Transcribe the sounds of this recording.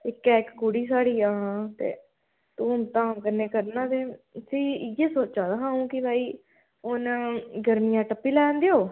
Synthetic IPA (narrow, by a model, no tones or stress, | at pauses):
ɪkːɛːkkuɽiːsaːɽiːaːt̪ḛː | t̪uːmt̪ãːkəneːkəɾnãːt̪eːsĩːɪɡeːsoːt͡ʃãːd̪aːɦãːũːkɪbʱaːiː | ʊnɡəɾmijãːʈəpːiːlɛːnd̪ejoː